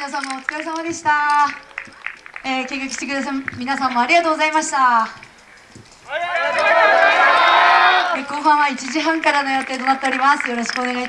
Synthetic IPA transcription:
mʲinas̬ãmːoːt͡sɨ̥kaes̬amad̪e̞ɕi̥t̪a | eːke̞ːkakɯ̟ɕit̪e̞kɯd̪as̬amʲinasãmːo̞aɾʲiɡat̪oːɡo̞zaimaɕi̥t̪a | ekõɦãɰ̃βait͡ɕiʑiɦãŋkaɾano̞jo̞t̪eːt̪o̞nat̪ːe̞o̞ɾʲimasɨjo̞ɾo̞ɕi̥kɯone̞ɡait̪

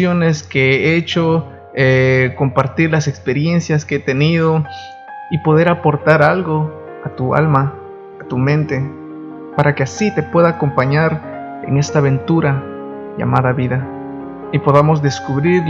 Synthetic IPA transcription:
one̞skeeet͡ʃo̞ | eko̞mpaɾt̪iɾlase̞kspe̞ɾje̞nsjaskeet̪e̞nið̞o̞ | ipo̞ð̞e̞ɾapo̞ɾt̪aɾalɣo̞ | at̪ua̰lmaː | t̪umẽnt̪e̞ | paɾakeasit̪e̞pwe̞ðaːko̞mpaɲaɾ | ḛŋe̞st̪aːβe̞nt̪uɾa | ʝa̰maðaβiða | ipo̞ðamo̞zd̪e̞skuβɾiɾ

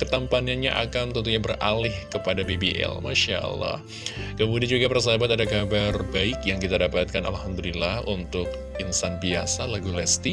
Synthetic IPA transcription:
kət̪ampanaɲa̰ʔa̰kant̪ənt̪uɲabərʔa̰lɪhkəpadabebiʔɛ̰lma̰ʃaʔə̰lːɑ̰h | kəmudiand͡ʒuɡapərs̬əɦabat̪adakabarbaɪkjaŋkit̪adapat̪̚kana̰lhamd̪ulilahʔunt̪ʊk̚ | ʔinsanbiasalaɡulɛst̪i

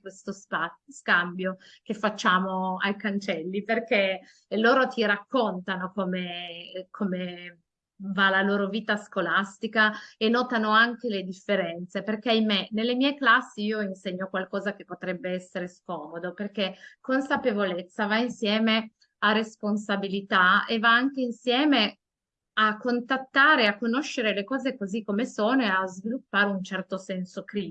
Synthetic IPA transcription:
west̪ospaskambjo | k̟efːat͡ʃːaːmoajkant͡ʃɛlːiperke | loːɾot̪iɾakːont̪anokomekʰome | valaloːɾoviːt̪askolast̪ikaenɔːt̪anoaŋk̟eled̪ifːeɾɛnt̪seperk̟eajmenelːemiɛjklasːiiːoinseɲːokwalkɔːzak̟epːot̪ɾɛbːeɛsːeɾeskɔːmod̪operk̟ekonsapevolet̪sːavainsjɛːme | aresponsabilit̪aevaaŋkeinsjɛːme | akːont̪at̪ːaːɾeakːonoʃːeɾelekɔːzekozikːomesoːnoeazvilupːaːɾeunt͡ʃɛrt̪osɛnsokɾi

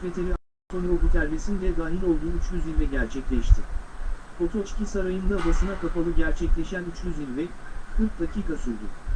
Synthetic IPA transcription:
vet̪ʰeɾia | t̪ʰo̞no̞but̪ʰæɾvesind̪ɛd̪aːɦilʲo̞lˠd̪uːyt͡ʃjyzilʲvɛɟæɾt͡ʃʰɛclʲɛʃt̪ʰɪfo̞t̪ʰo̞t͡ʃcʰʲisaɾajɯnd̪abasɯnakapalˠɯɟæɾt͡ʃʰɛclʲeʃænyt͡ʃjyzilʲvɛkʰɯɾk̚d̪acʰiːkʰasuɾd̪ʊ

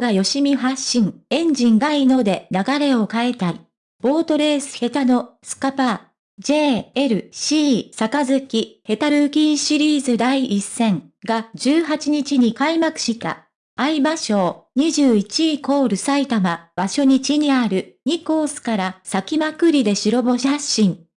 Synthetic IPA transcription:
ɡajo̞ɕimʲiɦaɕːĩŋẽ̞ɲ̟d͡ʑĩŋɡaino̞d̪e̞naɡaɾe̞o̞kae̞t̪ai | b̥o̞ːt̪o̞ɾe̞ːsɨ̥he̞t̪ano̞sɨ̥kapa | d͡ʑe̞ːɾɯ̟ɕiːsakazɨkʲihe̞t̪aɾɯ̟kʲĩːɰ̃ɕiɾʲiːzɨd̪aiʔisːẽ̞ŋ | ɡaʑɨːɦat͡ɕiɲ̟it͡ɕiɲ̟ikaimakɯ̟̥ɕit̪a̰ː | ibaɕo̞ːɲ̟iʑɨːit͡ɕiko̞ːɾɯ̟sait̪amab̥aɕo̞ɲ̟it͡ɕiɲ̟iaɾɯ̟ɲ̟iko̞ːsɨ̥kaɾasakʲimakɯ̟ɾʲid̪e̞ɕiɾo̞bo̞ɕaɕĩŋ

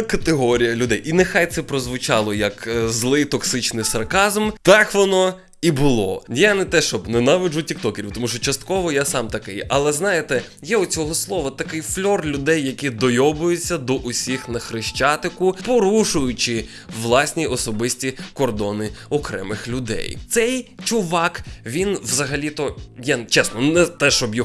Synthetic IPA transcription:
kɐt̪eɦɔɾʲijɐlʲʊd̪ɛjʔinɛxajt̪sɛpɾɔzʋʊt͡ʃɑlˠɔjɐkzlˠɪjt̪ɔksɪt͡ʃnɪjsɐrkɑzmt̪ɑkʋɔnɔ | ibʊlˠɔ̰janɛt̪ɛʃt͡ʃɔbnɛnɑʋɪʒʊtʲik̚t̪ɔkeɾʲiwt̪ɔmuʃt͡ʃɔt͡ʃɐst̪̚kɔʋɔjasɑmt̪ɐkɪjɐlˠɛznɑjet̪ɛjɛʊt͡sʲɔɦɔslˠɔʋɐt̪ɐkɪjflʲɔrlʲʊd̪ɛjːɐkʲid̪ɔjɔbʊjʊt͡sʲːɐd̪ɔʔʊsʲixnɐxɾɪʃt͡ʃat̪ɪkʊpɔɾuʃʊjʊt͡ʃɪ | ʋlˠɑsʲnʲiʔɔsɔbɪsʲtʲikɔrd̪ɔnɪɔkɾɛ̰mɪxlʲʊd̪ɛ̰jt̪sɛjt͡ʃʊʋɑkʋʲinʋzɐɦɐlʲit̪ɔjɛt͡ʃɛsnɔnɛt̪ɛʃt͡ʃɔbjɔ

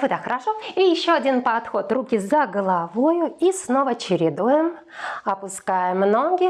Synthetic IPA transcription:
vɨd̪axəɾaʂoijɪɕːoɐdʲinpɐt̪xo̞t̪rukʲizɐɡəlˠavojʊisnovət͡ɕɪɾʲɪd̪ujɪm | ɐpʊskajɪmnoŋɡʲɪ

